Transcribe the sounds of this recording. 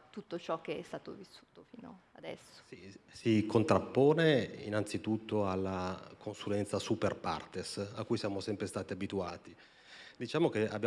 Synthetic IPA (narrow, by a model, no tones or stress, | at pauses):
t̪ut̪ːot͡ʃɔk̟ːeɛst̪aːt̪o̰visːu̥ːt̪ofiːno̰ad̪ɛ̰sːo̥sisikont̪ɾapːɔːneḭnant̪sit̪ut̪ːoalːakʰonsulɛnt̪sasuperpa̰rt̪esakːujsjaːmosɛmpɾest̪aːt̪iabit̪uaːt̪i | d̪it͡ʃaːmokea̰bːja